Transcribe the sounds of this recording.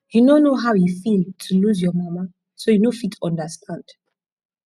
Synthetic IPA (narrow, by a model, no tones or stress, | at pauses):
hinonoɦawjifiltʰuluzjɔmama | sojinofitʰɔ̃ndəstʰãnd̥